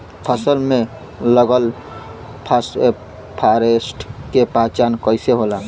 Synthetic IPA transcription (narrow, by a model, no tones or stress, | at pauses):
pʰəsəlme | ləɡəl | pʰase | pʰaɾesʈʰkepãt͡ʃankəjseɦola